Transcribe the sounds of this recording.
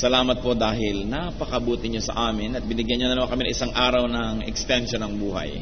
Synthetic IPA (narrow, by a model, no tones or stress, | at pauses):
sɐlaːmɐt̪̚po̞d̪aːɦɪlnapɐkɐʔbuːt̪ɪɲosɐ̰ʔaːmɪnɐt̪̚bɪnɪɡjɐnɲonɐnɐwakɐminɐŋʔɪsaŋʔaːɾɐwnɐŋʔɛkst̪ɛnʃonɐŋbuːɦɐ̰j